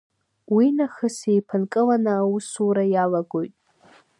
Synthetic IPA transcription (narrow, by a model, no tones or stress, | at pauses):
winaχɨsejpʰɨnkʼɨlanɨawusuɾajalaɡo̞jtʼ